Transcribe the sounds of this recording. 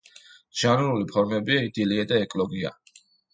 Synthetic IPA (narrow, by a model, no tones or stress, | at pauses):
ʒ̥anuɾulipʰɔɾmɛbiaid̪iliad̪aɛkʼlɔɡia̰